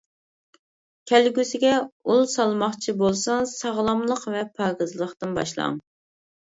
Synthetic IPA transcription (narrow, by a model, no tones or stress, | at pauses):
kʲʰɛlɡʲysɪɡʲɛulˠsɑlˠmɑχt͡ʃʰibolˠsɑŋsɑʁlˠɑmlˠəqvɛpʰɑːɡɨzlˠəχt̪ɨnbɑ̰ʃlˠɑ̰ŋ